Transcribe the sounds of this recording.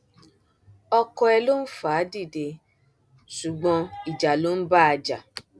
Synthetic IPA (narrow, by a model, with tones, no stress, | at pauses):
ɔ˧kɔ˧ɛ˧lo˦n̩˦faː˨˦di˦˨de˧ | ʃu˨ɡ͡bɔ̃˧i˨d͡ʒa˨lo˦n̩˦ba˦a˧d͡ʒa˨